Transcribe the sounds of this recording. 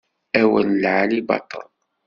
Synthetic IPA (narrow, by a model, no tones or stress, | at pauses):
æwənlʕalibɑ̰t̪ˤə̰l